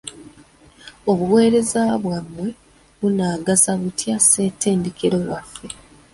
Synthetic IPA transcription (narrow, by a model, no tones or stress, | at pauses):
o̞βuwe̞ːɾe̞zaβwamwe̞ | βunaːɡazaβutʰjase̞ːte̞ːndekeɾo̞wafːe̞